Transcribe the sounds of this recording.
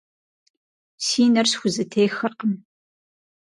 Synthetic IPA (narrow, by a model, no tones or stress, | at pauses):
siːnɐrsxʷʊzɨtʰejxɐrqəm